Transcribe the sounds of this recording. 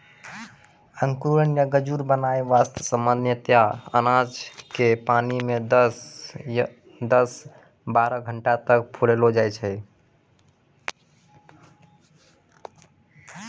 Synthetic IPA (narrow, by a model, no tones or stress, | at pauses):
əŋkɾuɾənjəɡəd͡ʒuɾbənaeʋast̪ʰəsəmbənd̪jət̪jaə̰nad͡ʒkepanimed̪s | d̪əs | baɾəɡʱəɳʈat̪ək̚pʰulelod͡ʒajt͡ʃʰɛ